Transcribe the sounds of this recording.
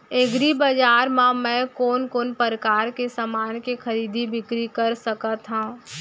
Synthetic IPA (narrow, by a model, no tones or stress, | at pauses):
eɡɾibəd͡ʒaːɾmãmɛ̃koːnkoːnpəɾəkaːɾkesamaːnkexʰəɾiːd̪ʱibɪkɾikəɾsəkət̪ɦã